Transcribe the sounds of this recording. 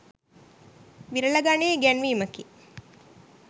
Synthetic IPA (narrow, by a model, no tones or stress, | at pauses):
ʋiɾələɡaneːɡænʋiːməki